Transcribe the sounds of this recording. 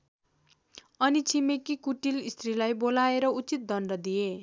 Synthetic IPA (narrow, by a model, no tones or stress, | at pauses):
ʌnit͡sʰimekikuʈilist̪rilajbolaeɾʌut͡sit̪̚d̪ʱʌnɖʌd̪ije